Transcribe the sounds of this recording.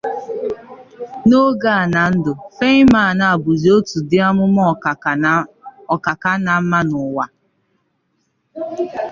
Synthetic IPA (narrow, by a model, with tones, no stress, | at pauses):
no˦ɡa˦a˨na˨n̩˦dʊ˨fe˦ɲ˦ma˦˨a˨na˨a˨bʊ˨zi˨o˦tu˨dɪ˦a˦mʊ˦mɔ˦˨ | ɔ˨ka˨ka˦na˨˦ma˦nʊ˨wa˨